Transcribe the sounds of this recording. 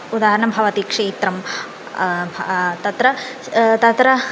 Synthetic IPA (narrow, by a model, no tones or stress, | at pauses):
ud̪aːɦɐɾɐnɐmbʱɐʋɐt̪ikʂeːt̪ɾɐm | t̪ɐt̪ɾɐ | t̪ɐt̪ɾɐ